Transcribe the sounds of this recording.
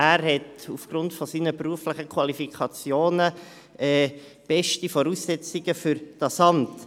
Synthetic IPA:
æːɾhɛtufɡ̥ɾʊntfɔsiːnəpɾuəflɪχəkʰwɑlifikʰɑt͡sjoːnə | ɛː | b̥ɛʃtifɔɾuːsːɛt͡siɡ̥əfʏɾd̥ɑsɑnt

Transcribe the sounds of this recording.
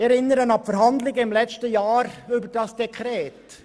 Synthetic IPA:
ɛɾɪnːəɾənɑpfəɾɦɑndlɪɡəɪmlɛt͡ʃtəjɑːɾʏbəɾd̥ɑsd̥ɛkʰɾɛːt

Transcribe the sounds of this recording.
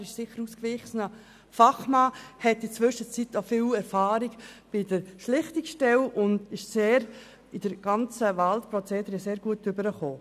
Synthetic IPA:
ɾɪʃsɪχəɾuːskvɪχsnə | fɑχmɑːhɛtit͡sʋʏʃət͡sit̪ofiːlɛɾfɑːɾiɡb̥ɪd̥əɾʃlɪχtɪkʃtɛlʊndɪʃseːɾ | ɪd̥əɾɡ̥ɑnt͡səʋaltpɾɔt͡seːd̪əɾɛseːɾɡ̥uətːʏbəɾəχoː

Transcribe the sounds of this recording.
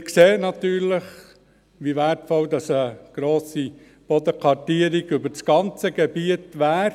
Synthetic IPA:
kseːənɑt̪yːɾləχ | ʋiʋætfɔld̪ɑsəɡ̥ɾoːsi | b̥ɔd̪əkʰɑtiəɾiɡʏbəɾt͡sɡ̥ɑnt͡səɡ̥ɛbiətʋæːɾ

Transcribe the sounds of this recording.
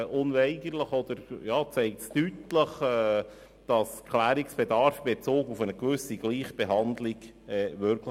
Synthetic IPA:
ʔʊnʋɛɪɡəɾləχɔd̪̥əɾjɑːt͡sɛɪk̚tstytləχɛ | d̥ɑskʰlæːɾiksb̥ɛd̪ɑɾfb̥ɛt͡soːkufənəɡʋʉsiɡliːχb̥ɛɦɑnd̪liɡɛːʋʏɾkʰl

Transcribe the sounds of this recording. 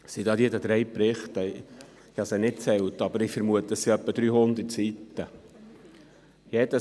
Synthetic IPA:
sid̥̪ɑːd̪idəd̪ɾɛjpɾɪχt̪ə | ɪhɑsɛnɪt̚t͡sɛlt̪ɑbəɾɪfəɾmuət̪ːəsiœpːəd̪̥ɾyːhʊnd̪ət͡sitːə | jɛd̪ə

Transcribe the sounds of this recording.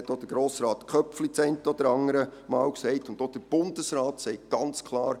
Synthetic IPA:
ɛtːod̥əɾɡ̥ɾoːsɾɑːt̪kʰœpflit͡sɛɪntɔd̥̪əɾɑŋəɾəmɑːlksɛɪtʊndod̥əɾb̥ʊndəsɾɑːtsɛɪk̚ɡ̥ɑnt͡skʰlˠɑːɾ

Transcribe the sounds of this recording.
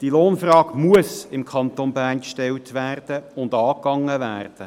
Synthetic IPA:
d̥iloːnfrɑːɡ̥muəsɪmkʰɑnt̪onbæːrnkʃtɛltʋæːrd̥əʊndɑːkːɑŋːəʋæːrd̥ə

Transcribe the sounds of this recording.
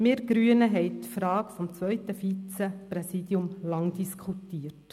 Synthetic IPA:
meːɾɡ̥ɾyənəɦɛɪt̪fɾɑːkfɔmt͡sʋœʏt̪əfiːt͡səpɾɛsiːd̪jʊmlɑŋd̪̥iskʰχutiːəɾt

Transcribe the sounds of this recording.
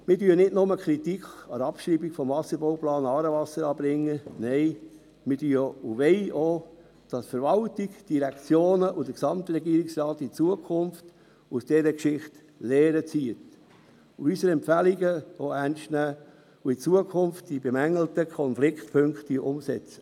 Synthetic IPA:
mɪdyːənɪdnʊməkʰɾitikɑɾɑpʃɾiːbikfɔmvɑsəboʊplɑːnɑːɾəʋɑsəɾɑːbɾɪŋːənɛɪ | mɪdyːuʋɛɪo | d̥ɑsfəɾʋɑltiɡd̥iɾɛkt͡sjoːnəʔʊd̥əksɑmt̪rɛɡiːɾiksrɑːtit͡suəkʰʊnft | usd̥ɛɾəkʃɪχt | lɛːɾət͡siət | uysəɾɛmpfæliɡəoæɾnʃtnæː | uit͡suəkʰʊnftd̥ibemæŋəl̩təkʰɔnflɪktpʰøŋktiʔʊmsɛt͡sə̥

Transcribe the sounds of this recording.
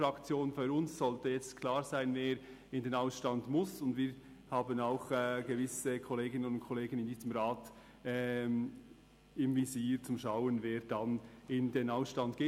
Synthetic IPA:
ɾɑkt͡sjoːnfyɾʊnsz̥ɔltəjɛt͡stkʰlaːɾzaɪnveːɾ | ɪndenaʊsʃtɑndmʊsʊndviːɾ | haːbənaʊxɛːɡ̥əvɪsəkʰɔleːɡɪnənʊntkʰɔleːɡənɪndiːz̥əmʁaːt | ɛ | ɪmviziːɾt͡sʊmʃaʊənveːɾd̥anɪndenaʊsʃtɑndɡ̥eː

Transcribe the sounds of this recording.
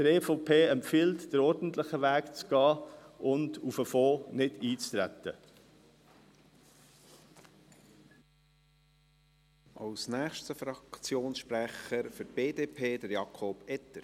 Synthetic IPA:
d̥əɾɛːfopʰeːɛmfɪltd̥əɾɔɾdn̩t̪lɪχəʋæːkt͡sɡ̥ɑːʔʊndufəfoːnɪdiːt͡st̪ɾæ̰t̪ə̰ | ʔɑwsnæːχʃtəfɾɑkt͡sjoːnsʃpɾæχəɾfʏɾb̥eːdeːpʰeːd̥̪əɾjɑkʰɔb̥ɛt̪əɾ

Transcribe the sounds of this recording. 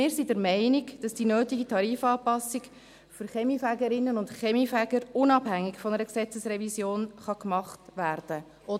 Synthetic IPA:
ɪːɾsidəɾmɛɪnɪɡd̥ɑsd̥inøːtiɡitʰɑɾiːfɑːpɑsːɪɡ | føɾχɛmifæɡəɾɪnːənʊntχɛmifæɡəɾʊnɑbhæŋːɪɡfɔnəɾəksɛt͡səsrɛvisjoːnχɑkmɑχtʋæːɾd̥ə | ʔɔ

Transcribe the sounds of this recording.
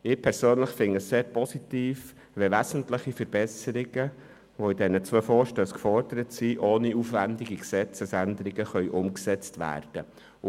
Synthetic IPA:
ɪːpʰɛɾsøːnləχfɪnəsseːɾpʰɔsit̪iːf | ʋɛʋæsn̩tləχifəɾb̥ɛsəɾɪɡ̥ə | ʋoɪdɛnət͡sʋøːfɔːɾʃtøːskfɔɾd̥əɾətsiʔoːniuːfʋændɪɡiksɛt͡səsænd̪əɾɪɡəχœʏʔʊmksɛt͡stʋæ̰ːɾd̥ə

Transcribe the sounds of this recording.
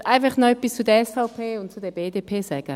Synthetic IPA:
ʔaɪnfaχnɔb̥ɪst͡suːdeɛɐɛsfaʊpʰeːʊnt̚t͡sudeːɐbeːdeːpʰeːsaɪɡ̥a

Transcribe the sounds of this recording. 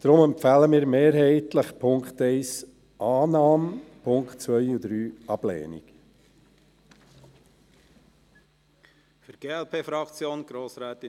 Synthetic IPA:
d̪̥ɾʊmɛmpfæːləmiːɾmeːɾɦɛɪt̪ləχpʰʊŋkχt̪ɛɪs | ʔɑːnɑːmpʰʊŋkχtt͡sʋœjud̪ɾyːʔɑb̥lɛ̰ːnḭk | fəɾɡ̥eːɛlpʰeːfɾɑkt͡sjoːnɡ̥ɾoːsɾæːt̪ɪ

